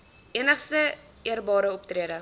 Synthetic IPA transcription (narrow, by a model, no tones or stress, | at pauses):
enəχsə | eɾbɒɾəop̚t̪ɾeːdə